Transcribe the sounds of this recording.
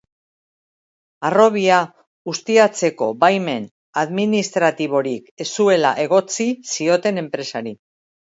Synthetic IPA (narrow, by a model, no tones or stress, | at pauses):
aro̞β̞ia | ust̪iat͡se̞ko̞bajme̞n | aðminist̪ɾat̪iβ̞o̞ɾikesue̞la̰ʔe̞ɣ̞o̞t͡sisio̞t̪e̞ne̞mpɾe̞saɾi